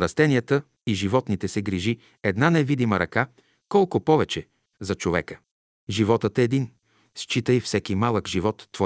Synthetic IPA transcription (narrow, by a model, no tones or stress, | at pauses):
ɾɐst̪ɛniət̪ə | iʒivɔt̪nit̪ɛsɛɡɾiʒi | ɛd̪nanɛvid̪iməɾɐka | kɔlˠkʊpɔvɛt͡ʃɛ | zɐt͡ʃovɛ̰kə | ʒivɔt̪ət̪ɛːd̪in | st͡ʃit̪əjfsɛkimalˠəkʒivɔt̪ːvɔ